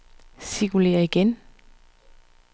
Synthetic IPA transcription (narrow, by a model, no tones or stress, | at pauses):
sikule̝̰ːɐiɡ̥en